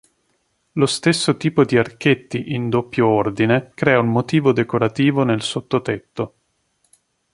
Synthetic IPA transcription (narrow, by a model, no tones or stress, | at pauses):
lost̪esːot̪iːpod̪iark̟et̪ːiʔind̪opːjoord̪inekɾɛːaummot̪iːvod̪ekoɾat̪iːvonelsot̪ːot̪et̪ːo